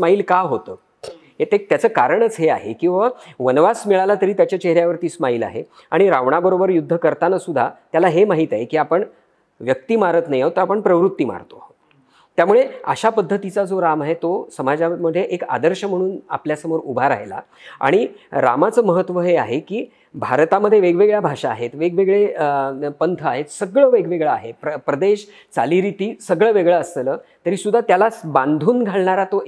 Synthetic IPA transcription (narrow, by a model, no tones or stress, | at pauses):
smaiːlkaɦot̪əː | ɦet̪et̪jat͡səːkaɾəɳət͡sɦea̰ɦekĩw̃ʋaʋənʋasmiɭalat̪əɾiːt̪jat͡ɕjat͡ɕeɦɾjaʋəɾt̪iːsmaiːla̰ɦḛ | a̰ɽ̃iɾaʋɳabəɾobəɾjud̪ʱːəkəɾt̪anasud̪ʱat̪jalaɦemaɦiːt̪aɦekiːapəɳ | ʋjək̚t̪iːmaɾət̪najaɦot̪əapəɳpɾəʋɾut̪ːiːma̰ɾt̪oaɦo | t̪jamuɭea̰ɕapəd̪ʱːət̪it͡sad͡zoɾamaɦet̪osəmad͡ʑaməd̪ʱːjeʔeka̰d̪əɾɕəm̤əɽ̃uːna̰pljasəmoɾubʱaɾa̰ɦela̰ | a̰ɽ̃iɾa̰mat͡səːməɦət̪ːʋəɦeaɦekiː | bʱaɾt̪aməd̪ʱːjeʋeɡʋeɡɭjabʱaʂaːɦet̪ʋeɡʋeɡɭe | pənt̪ʰəaɦet̪səɡɭəːʋeɡʋeɡɭaːɦepəpɾəd̪eɕ | t͡saliːɾit̪iːsəɡɭəːʋeɡɭaəslət̪əɾiːsud̪ʱːat̪jalabãnd̪ʱuːnɡʱaɭɳaɾat̪o